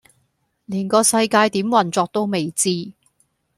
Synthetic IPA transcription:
liː˨˩nkɔː˧sɐ˧jkaː˧jt̪iː˨˥mwɐ˨˩nt͡sɔː˧k̚t̪o˥wme˨jt͡siː˥

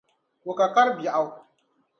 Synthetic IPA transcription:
wo˨ka˨ka˦ɾbji˨a˨w

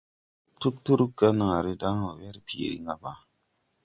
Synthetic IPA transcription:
tu˦ktu˦ɾu˦ɡa˦na˨ɾɪ˦daː˦a˨wɛ˦ɾɪ˦pi˨ḛ˨ɾḭ˦ŋa˦ba˨˦

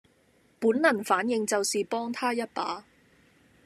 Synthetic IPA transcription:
puː˨˥nlɐ˨˩nfaː˨˥njɪ˨˧ŋt͡sɐ˨wsiː˨pɔː˥ŋt̪ʰaː˥jɐ˥t̚paː˨˥

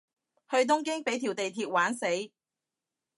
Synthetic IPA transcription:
hɵ˧ɥt̪ʊ˥ŋkɪ˥ŋpe˨˥jt̪ʰiː˨˩wt̪e˨jt̪ʰiː˧t̚waː˨˥nse˨˥j

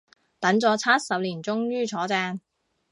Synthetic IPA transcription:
t̪ɐ˨˥ŋt͡sɔː˨˧t͡sʰaː˥t̚sɐ˨p̚liː˨˩nt͡sʊ˥ŋɥyː˥t͡sʰɔː˨˥t͡sɛː˧ŋ

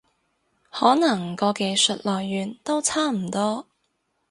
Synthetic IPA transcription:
hɔː˨˥nɐ˨˩ŋkɔː˧ke˨˧jsɵ˨t̚lɔː˨˩jːyː˨˩nt̪o˥wt͡sʰaː˥m̩˨˩t̪ɔː˥

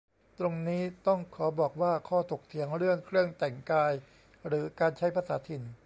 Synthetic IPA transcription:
t̪ɾo˧ŋniː˦˥t̪ɔ˥˩ŋkʰɔː˩˦bɔː˨˩k̚waː˥˩kʰɔː˥˩t̪ʰo˨˩k̚t̪ʰi˩˦əŋɾɯ˥˩əŋkʰɾɯ˥˩əŋt̪ɛ˨˩ŋkaː˧j | ɾɯː˩˦kaː˧nt͡ɕʰa˦˥jpʰaː˧saː˩˦t̪ʰi˨˧˩n

